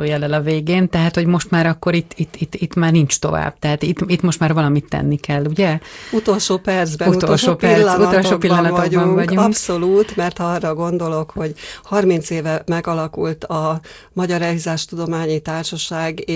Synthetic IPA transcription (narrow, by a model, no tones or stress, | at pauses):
oːjɛlɛlɒveːɡeːnt̪ɛɦat̪hoɟmo̞ʃt̪maːɾɒkːo̞ɾit̪ːit̪ːit̪ːit̪maːrnint͡ʃt̪o̞̰va̰ːb̥̚t̪ɛɦat̪it̪it̪mo̞ʃt̪maːrvɒlɒmit̪ːɛ̰nːikɛlːuɟɛut̪o̞lʃoːpɛrd̪zbɛut̪olʃoːpɛut̪olʃoːpilːɒnɒoɡɟubɒɱŋvŋɒɟukpsso̞luːt̪mɛrt̪hɒrːɒɡo̞nd̪o̞lo̞kho̞ɟhɒrmint̪seːvɛmɛɡɒlɒkult̪ɒ | mɒɟɒɾɛizaːʃt̪ud̪o̞maːɲit̪aːrʃɒʃaːɡ